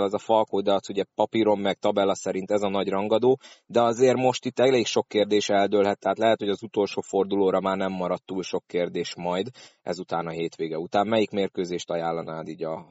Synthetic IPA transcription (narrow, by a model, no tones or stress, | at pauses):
lɛzɒfɒlkoːd̪ɒt̪suɟɛpɒpiɾo̞mːɛkt̪ɒbɛlɒsɛɾint̪ɛzɒnɒɟrɒŋɡɒd̪oːd̪ɛɒzeːrmo̞ʃt̪it̪ːɛleːkʃo̞kːeːrd̪eːʃɛld̪øːlɦɛt̪ːɛɦaːt̪lɛɦɛt̪ho̞ɟɒzut̪o̞lʃoːfo̞rd̪uloːɾɒmaːrnɛmːɒɾɒt̪ːuːlʃo̞kːeːrd̪eːʃmɒjd̪ɛ̰zut̪aːnɒɦeːt̪ʋeːɡɛut̪aːmmɛjikmeːrkøːzeːʃt̪ɒjaːlːɒnaːd̪iːɟɒ